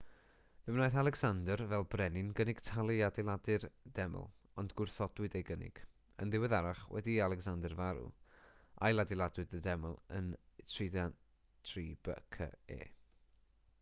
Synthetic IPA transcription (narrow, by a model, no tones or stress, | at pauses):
v̥ɛmnaːjθalˠɛɡsandərvɛlˠbrɛnɪnɡənɪɡ̥tʰalˠiadɛlˠadɨrd̥ɛmə̰lˠ | ɔndɡʊrθɔdwɨdejɡənɪ̰ɡ̥ | ə̰nðɪwɛðaɾaχwɛ̰dialˠɛɡsandərvaɾṵ | a̰jlˠadɪlˠadwɨdədɛməlˠə̰ntʰriðan | tʰriːbə̰kʰə̰ḛː